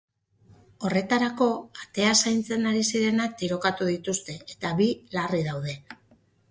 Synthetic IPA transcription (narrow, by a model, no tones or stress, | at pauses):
o̞re̞t̪aɾako̞at̪e̞asajnt͡se̞naɾisiɾe̞nak̚t̪iɾo̞kat̪uðit̪ust̪e̞et̪aβilarið̞awð̞e̞